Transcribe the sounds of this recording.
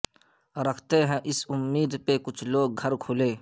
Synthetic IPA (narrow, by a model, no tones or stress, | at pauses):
ɾəkʰt̪eɦɛ̃ʔɪsʊmːiːd̪pekʊt͡ʃʰloːɡ̚ɡʱəɾkʰʊleː